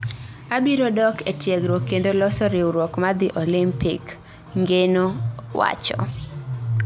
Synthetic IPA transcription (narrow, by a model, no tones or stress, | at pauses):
abiɾodɔketjɛɡɾokendolɔsɔɾɪuɾwɔkmad̪ɪʔolimpɪk | ŋɡenowa̰t͡ʃɔ̰